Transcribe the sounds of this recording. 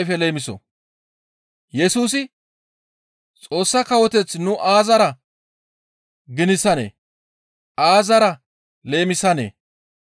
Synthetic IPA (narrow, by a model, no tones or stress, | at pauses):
jfɛle̞ːmɪsɔ̰ | jɛsuːs̬ɪ | t͡sʼo̞ːsːɐkɐwɔt̪ɛt͡sːnʊʔaːzɐɾɐ | ɡɪnɪsɐnḛː | ʔaːzɐɾɐ | le̞ːmɪsɐnḛː